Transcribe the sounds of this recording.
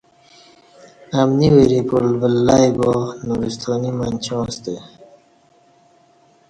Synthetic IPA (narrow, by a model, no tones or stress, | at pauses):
amniweɾipulbəlːajbonuɾist̪ʰoːnimant͡ɕõːst̪e